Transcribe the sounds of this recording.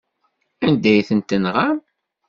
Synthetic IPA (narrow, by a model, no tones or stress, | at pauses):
ænd̪æjθənt̪ənʁam